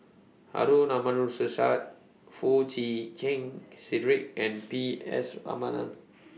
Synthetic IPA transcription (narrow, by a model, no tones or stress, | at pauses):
ha̰ɾunãmãnusəsat̚ | fut͡ʃikʰɛ̃ŋsidɹik̚ɛ̃npiɛ̰sɹa̰madã̰n